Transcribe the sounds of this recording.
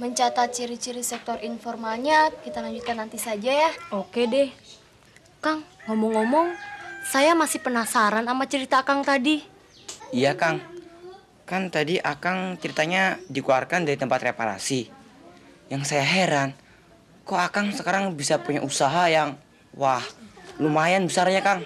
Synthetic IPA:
məɲt͡ʃat̪at̪̚t͡ʃəɾit͡ʃiɾisɛk̚t̪ɔrinfɔrmalɲakit̪alaɲd͡ʒut̪̚kanːant̪isad͡ʒajaokedɛh | kaŋːɔmɔŋːɔmɔŋsajamasihpənasaɾanamat͡ʃəɾit̪aːkaŋt̪adi | ijakaŋ | kant̪adiʔakaŋt͡ʃəɾit̪aɲadikularkandaɾit̪əmpat̪repaɾa̰si | jaŋsajaɦeɾan | koakaŋsəkaɾaŋbisapuɲaʔusaɦajaŋ | wahlumajanbəsarɲakaŋ

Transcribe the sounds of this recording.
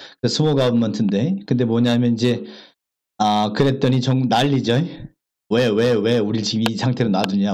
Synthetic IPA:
kɯesʰɯmoɡamantʰɯnde̞kɯnde̞mwʌɲaɦamjʌnid͡ʑe̞ | ʌkɯɾe̞t͈ʌɲit͡ɕʌŋnaʎːid͡ʑʌe | wewewe̞uɾiɭt͡ɕiɡmisʰaŋtʰe̞ɾonaduɲa

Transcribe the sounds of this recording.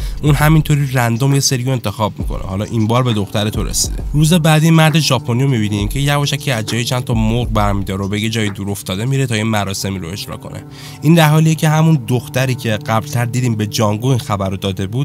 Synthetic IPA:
ʔunɦæmint̪ʰo̞ɾirænd̪omje̞se̞ɾijoe̞nt̪ʰe̞xɒːb̚mḭkʰo̞̰nʔḛhɒlɒ̰ːʔimbɒːɾbe̞d̪o̞xt̪æɾet̪ʰo̞ɾḛsḭd̪e̞ɾuːze̞bæːd̪imæɾd̪eʒɒːpʰonijomibiːniːmcʰe̞jævɔːʃæcʰiːæzd͡ʒɒːjit͡ʃʰænt̪ʰɒmoɡbæɾmiːd̪ɒːɾobeje̞d͡ʒɒːjid̪uːɾo̞ft̪ɒːd̪e̞miɾet̪ʰɒːjemæɾɒːse̞miːɾoe̞̰d͡ʒɾɒ̰kʰo̞̰nʔe̞̰ | ʔiːnd̪æɾɦɒːlijecʰe̞ɦæmund̪oxt̪æɾiːcʰe̞ɢæblt̪ʰæɾd̪iːd̪iːmbe̞d͡ʒɒːŋɡuinxæbæɾod̪ɒːd̪e̞buːd̪

